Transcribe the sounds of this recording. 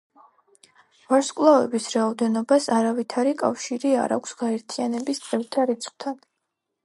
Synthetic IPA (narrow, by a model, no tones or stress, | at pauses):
vaɾskʼlˠavɛbisɾaɔd̪ɛnɔbasaɾavit̪ʰaɾikʼa̰fʃiɾia̰ɾa̰kʷʰsɡ̥aɛɾt̪ʰianɛbist̪sʼɛɾt̪ʰaɾit̪sʰχʼwt̪ʰan